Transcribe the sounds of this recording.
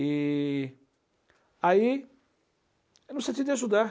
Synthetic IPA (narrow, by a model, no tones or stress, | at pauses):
i | ai | nũsẽt̪id̪es̬ud̪a